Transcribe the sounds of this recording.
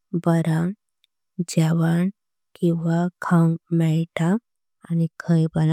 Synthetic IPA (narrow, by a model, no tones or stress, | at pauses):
bəɾa | d͡ʑaʋan | kĩwʋakʰawmɛɭʈʰaː | nikʰəjbəna